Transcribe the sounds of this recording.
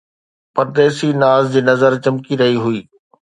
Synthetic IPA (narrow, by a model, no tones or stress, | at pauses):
pɐɾd̪eːsinaːzd͡ʑiːnɐzəɾt͡ɕɐmkiɾɐɦiɦʊiː